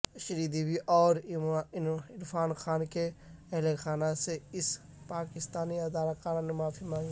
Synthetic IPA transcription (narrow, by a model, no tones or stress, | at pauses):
ʃəɾiːd̪iːbiʔɔːɾ | ɪɾfʰaːnxʰaːnkeɛɦlexʰaːnaseɪs | paːkɪst̪aːniɐd̪aːlakaːɾanemaːfʰimãːŋɡ